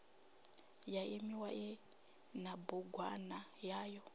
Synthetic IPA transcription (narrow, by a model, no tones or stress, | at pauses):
jaʔemiwaʔɛ | nabuɡʱwa̰najaːjɔ